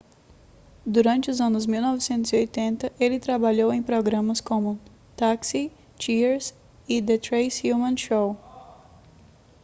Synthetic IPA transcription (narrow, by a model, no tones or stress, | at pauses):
d̪uɾɐ̃t͡ʃɪʊzɐ̃nʊzmiwnɔvɪsẽnt̪ʊziojt̪ẽnt̪ɐʔelɪt̪ɾabaʎowẽj̃pɾoɡɾɐ̃mɐskõmʊ | t̪aksi | t͡ʃiɾs | ɪd̪et̪ɾejshjumɐ̃nʃow